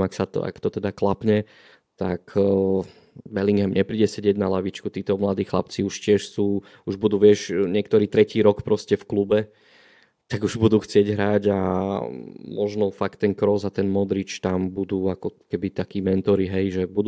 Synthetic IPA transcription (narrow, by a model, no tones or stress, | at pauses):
maksat̪ɔ̰a̰kt̪ɔt̪ɛd̪aklapɲɛ | t̪ak | bɛliŋɡɦɛmɲɛpɾiːɟɛsɛɟɪɛɟnalaʋit͡ʃkut̪iːt̪ɔmlad̪iːxla̰pt͡siuʃcɪɛʃsuː | uʒbud̪uːʋɪɛʃɲɪɛkt̪ɔɾiːt̪ɾɛciːɾɔkpɾɔscɛfklubɛ | t̪aɡuʒbud̪uːxt͡sɪɛɟɦɾaɟa | mɔʒnɔfakt̪ːɛnkɾɔzat̪ɛnmɔd̪ɾit͡ʃt̪ambud̪uːakɔkɛbit̪akiːmɛnt̪ɔɾiɦɛjʒɛbud̪